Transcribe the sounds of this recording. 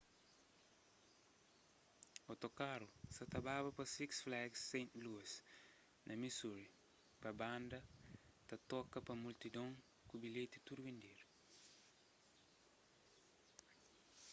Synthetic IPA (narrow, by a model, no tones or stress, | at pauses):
ot̪okaɾusɐt̪ɐbabɐpɐsiksflɛɡsẽnluɐs | nʔɐmisuɾi | pɐbãnd̪ɐt̪ɐt̪ɔkɐpɐmult̪id̪õŋ | kubilet̪it̪uɾuvẽnd̪eɾ